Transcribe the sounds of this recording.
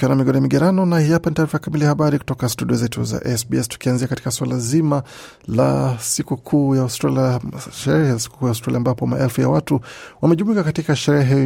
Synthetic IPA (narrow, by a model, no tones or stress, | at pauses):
kiwanamiɡɔnɔjamiɡɛɾanɔnahijapanitaːɾifajakamiliahaɓaɾiku̥tɔkastuɗiɔzɛtṵza̰ʔɛsbiɛstu̥kianziakati̥kaswalazima | la̰sikukʰuːjaustɾalʃɛɾɛhɛasi̥ku̥kujaustɾaliambapɔma̰ʔɛlfuja̰watuwamɛʄumuwikakatikaʃɛɾɛɦɛ